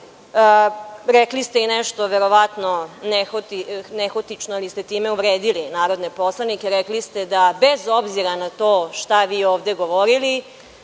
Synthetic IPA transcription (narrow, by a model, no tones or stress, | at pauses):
əɾeklist̪einɛʃt̪oʋeɾo̞ʋat̪no̞nexot̪inexot̪it͡ʃnoalist̪et̪iːmeuʋɾeːd̪ilinaːɾo̞d̪nepo̞slˠanikeɾɛklist̪e̞d̪abezo̞bziɾanat̪oːʃt̪aʋiːoːʋd̪e̞ɡoʋoɾili